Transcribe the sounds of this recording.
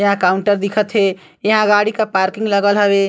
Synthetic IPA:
jəɦãkaʊɳʈəɾd̪ikʰət̪ɦe | jəɦãɡaɽikapaɾkĩŋɡləɡəlɦəbe

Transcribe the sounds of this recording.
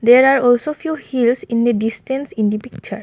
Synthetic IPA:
d̪eɾaɹɔlsofʰjuhilsĩnd̪iɖisʈẽnsĩnd̪ipik̚t͡ʃə̰ɹ

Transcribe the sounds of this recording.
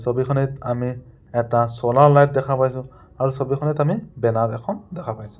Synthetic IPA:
sɔbikʰɔnitami | ɛtasɔlaɹlajt̚dɛkʰapajsʊ̃ | aɹusɔbikʰɔnitamibɛnaɹɛkʰɔndɛkʰapajsʊ̥̃

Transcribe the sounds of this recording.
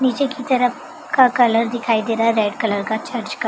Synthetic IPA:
nid͡ʒekit̪əɾəf | kakələɾd̪ikʰaid̪eɾaɾeɖkələɾkat͡ʃəɾd͡ʒka

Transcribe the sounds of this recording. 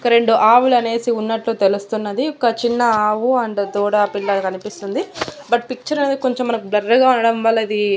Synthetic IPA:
ɔkɐɾe̞ɳɖuʔaːʋulɐne̞ːsiunːɐʈloːt̪e̞lust̪unːɐd̪iɔkɐt͡ʃinːɐaːʋuɐɳɖɐd̪ɔːɽapiɭːɐkɐnipist̪und̪i | bɐʈ̚pik̚t͡ʃɐɾɐneːd̪ikoɲt͡ʃemːɐnɐkublɐɾːɐɡaːunɐɽɐmʋɐːlːɐid̪i

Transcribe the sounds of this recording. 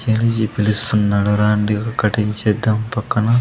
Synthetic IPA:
t͡ʃeːnid͡ʒipilust̪unːaːɽuɾaːɳɖikɐkɐʈiɲt͡ʃed̪ɐmpɐkːɐnɐ

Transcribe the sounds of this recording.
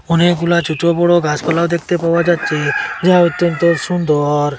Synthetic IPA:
ɔneɡulat͡ʃuʈobɔɽoɡaspalawd̪ek̚ʰt̪epaad͡ʒat̪ːt͡ʃʰed͡ʒaɦaɔt̪ːɔnt̪ɔsund̪ɔɾ

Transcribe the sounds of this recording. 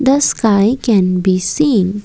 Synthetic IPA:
d̪əskaɪkɛ̃nbisĩːn

